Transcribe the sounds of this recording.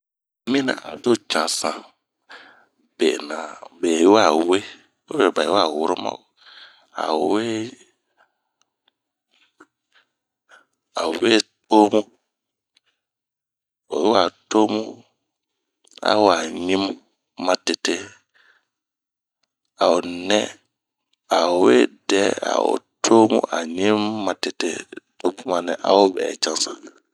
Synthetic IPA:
mĩ˦nã̰˨ʔa̰˨do˦t͡ʃã˨sã˨ | b̥ḛ˨nã˨be˨˦wa˦˨˦we˦ | o˦e˨ba˨˦a˦˨wu˦ɾo˦mã̰˦˨o˨ | a̰˨we˦ | a˨o˨be˦to˦mũ˦ | o˨˦wa˨to˦mu˦ | a̰˦wa˨ɲĩ˦mː˦ | a˦te˨te˦ | a˨ʊ˨nɛ˦ | a˨we˦dɛ˦a̰˨ʊ̰˨tʰoː˦mṵ˦ʔa̰˨ɲĩ˦mːa˨tɪ˨tḛ˦to˦bu˦ma˨nɛ˨ʔa̰˨ʊ˦bɛ̰ː˨t͡ʃã˦nsa˨

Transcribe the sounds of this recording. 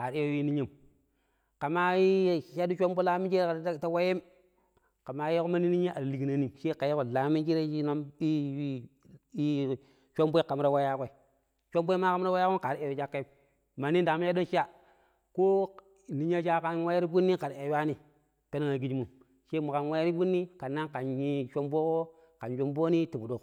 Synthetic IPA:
ka˨ɾe˦jo˦wi˦ni˦ɲi˦˨m | ka˨ma˦ji˦˨ʃa˦du˦t͡ʃo˦mbo˦la˦mi˦t͡ʃe˦ɾa˨ɾta˦wa˦je˦m | ka˨ma˦ji˦ko˦ma˦ni˦ni˦ɲa˦ʔa˨ɾli˨ki˨na˨ni˦ʃe˦ka˨ji˦ko˨la˨˦mi˦nt͡ʃe˦ɾe˦ʃi˦no˦mi˦ | i˦ | t͡ʃʷo˦mbʷi˦ka˨m˦ɾa˦wa˦ja˦kʷe˦˨ | t͡ʃʷo˦mbo˦ma˦ka˨˦m˦ɾa˦wa˦ja˦ko˦ka˨ɾi˦e˨ɾe˦d͡ʒa˦kːa˦ | ma˨ni˦n˦da˨m˦a˦do˦nʃi˦ja˦ | ko˦ | ni˦ɲ˦a˦d͡ʒa˦ka˦nwa˦ja˦ɾi˦bu˦nːi˦ka˨ɾe˨wa˦ni˨ | pe˦na˦ŋa˨ɡi˦d͡ʒi˦mu˨m | ʃe˦mu˨ka˨n˨wa˦je˦ɾi˦bu˦nːi˦ka˨nːa˦nka˨nɲi˦ʃo˦mbo˦ko˦ | ka˨nd͡ʒo˦mbo˦ni˦ti˨bu˨do˨k

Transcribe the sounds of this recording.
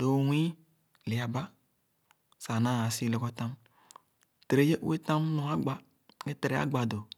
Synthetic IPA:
do˨wʷĩ˦ | li˨a˨ba˦ | sa˨nã˦˨a˨si˦le˨kɔ˦tã˦m | tɾe˦je˦ʔe˦tã˦mnõ˨a˦ɡ͡ba˨ | ke˦tɾe˨a̰˦ɡ͡ba˨do˨

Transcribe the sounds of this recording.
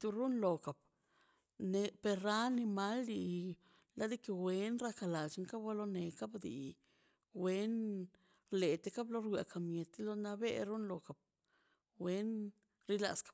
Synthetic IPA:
t̪u˧ɾu˦nlo˨ka˨p̚ | ne˧pe˧ɾːa˦ni˧ma˦lːi˧ | la˧˦d̪i˦ke˧we˧˦nɾa˧ka˧la˨t͡ʃi˧ŋka˦bwa˦lo˧ne˨ka˦bd̪ḭ˨ | we˦n | ɾle˨t̪e˧ka˦blo˧ɾɡʷja̰˨ka˨mje˨t̪i˦lo˧na˧bḛ˦ɾu˦nlo˨ka˨b̚ | we˦n | ɾi˦la̰˧skḁ˨˦p̚

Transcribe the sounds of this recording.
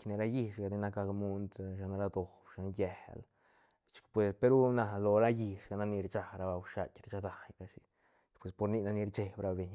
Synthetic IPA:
kne˧ɾa˧˦ji˧ʃɡa˨d̪i˧na˧ka˧kmu˧nd̪ʃa˧n˧ɾa˦˧d̪o˨bʃa˧njɛ˨hl | t͡ʃi̥˧kpwe˧spe˧ɾu˦na˧lo˧ɾa˦ji˧ʃɡa˧na˦ni˧ɾt͡ʃa˧ɾa˧ba˧wʃa˧tʲɾa˧t͡ʃa˧d̪a˨jɾa˧ʃi˧ | pwe˧˨spo˧ɾni˧na˧ni˧ɾt͡ʃe˧bɾa˧be˨ɲ

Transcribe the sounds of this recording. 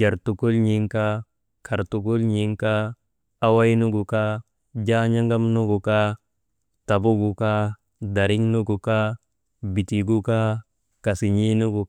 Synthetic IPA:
d͡ʒa˨ɾtu˨ku˦lɲi˨ŋka˦ | kʰa˨ɾtu˨ku˦lɲi˨ŋkaː˦ | wa˦jnu˦ɡu˨ka˦ | d͡ʒa˦ɲa˦ŋɡa˦mnu˦ɡu˨ka˦ | ta˨bu˦ɡu˨ka˦ | da˨ɾi˦ŋnu˦ɡu˨ka˦ | bi˨ti˨ɡu˦ka˦ | ka˨si˨ɲi˦nu˦ɡu˨

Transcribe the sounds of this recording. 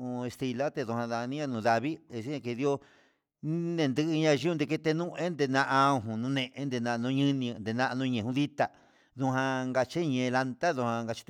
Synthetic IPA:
ũ˧e˧st̪i˧la˦t̪e˧ðũ˧hã˧ða˧nĩ˦ã˧nũː˨ða˧βi˦e˧ʃe˦ɲã˧ke˧ði˧˦o˧ | i˦nẽ˧˨nd̪ɨ˦˧ʔɨ˧ɲã˧ʒi˦˧nd̪e˧k̬e˦˧t̪e˧nũ˦ẽ˦nd̪e˧nã˧ʔã˧ɦũ˨nũ˧nẽ˧ʔe˧˦nd̪e˧nã˧ʔnũ˧ɲɨ̃˦nĩ˧nd̪e˧nã˧ʔa˧nũ˧ɲẽ˨ũ˧ði˦t̪a˧ | ðũ˧ɦã˧ŋɡa˧t͡ʃe˦˧ɲẽ˧la˧nt̪a˦ðu˧hã˧ŋɡa˧t͡ʃi̥˧t̪

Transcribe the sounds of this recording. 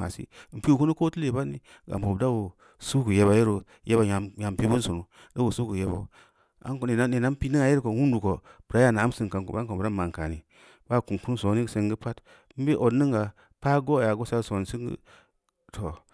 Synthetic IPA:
a̰˨sḭ˦˨m̩˨pi˦wu˨ku˦ni˦ko˦ti˦le˨ba˦nːi˦ | ɡa̰˨m˨o˨bda˦wo˨ | su˦ku˨je˨ba˨ji˦ɾo˨ | je˦ba˨ja˨ja˨m˨pi˦bu˦nsu˨nu˨ | da˦wo˨su˦ku˨je˦ba̰˨ | a̰˦ŋkn˨a˦ne˨na˦m˦pi˦ni˦ŋa˨˦ji˦ɾko˨wu˦n˦du˨ko˨b̥ɾa˦ja˦˨na˨a˦m˦si˨ŋka˨ŋ˨ko̰˨ba˦ŋ˦ko˨bɾa˦ma˨ŋ˨ka˨ni˨ | ba˦˨ku˨n˨ku˦n˦so˨˦ni˦˨se˨ŋɡi˦pa˦t | m̩˦be˦ʔo˨ni˦ŋɡa˨ | pa˦ɡo˦˨ja˨ɡo˦sa˦˨so˨n˨si˦ŋɡḭ˦ | tʰo˨

